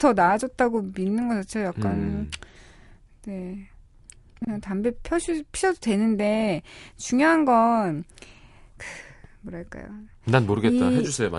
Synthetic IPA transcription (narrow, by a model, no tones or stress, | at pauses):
tʰʌnaːd͡ʑʌt̚t͈aɡominːɯnɡʌt͡ɕʰat͡ɕʰejak̚k͈an | de̞ | kɯɲaŋtambepʰjʌɕʰipʰiɕʰʌdodwe̞nɯnde̞t͡ɕuŋjoɦanɡʌn | kɯmʌɾaɭk͈a̰jo̰nanmoɾɯɡe̞t̚t͈a̰ɦed͡ʑusʰema̰